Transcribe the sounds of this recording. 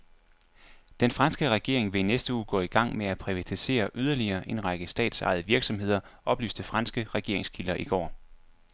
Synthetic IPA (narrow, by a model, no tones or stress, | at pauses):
d̥enfʁɑ̈nsɡ̥əʁɛɡ̥e̝̰ɐ̰e̝ŋʋe̝inesd̥əuːɡ̥ɔ̰̽ːiɡ̥ɑ̈ŋ̰meæpʰʁiʋæt͡sʰise̝̰ːɐʔyðˠɐliɐːʔe̝nʁɑ̈ɡ̥əsd̥ɛ̰ːd̥sɑ̈ɪð̞̩ˠʋiɐɡ̥sɒ̽mɦe̝ð̞̰ˠɐ | ʔɒ̽b̥ly̰ːsd̥əfʁɑ̈nsɡ̥əʁɛɡ̥e̝ɐ̰eŋskʰilɐʔiɡ̥ɒ̰ː